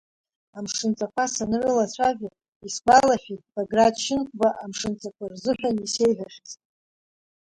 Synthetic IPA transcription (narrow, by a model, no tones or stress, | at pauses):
amʂɨnt͡sʼakʷʰasanɨrɨlat͡ɕʷʰavʲa | isɡʷalaħitbaɡradʃɪnkʷʼbaʔamʂɨnt͡sʼakʷʰarzɨħʷᶣanise̞jħʷᶣaʂt͡sʼtʼ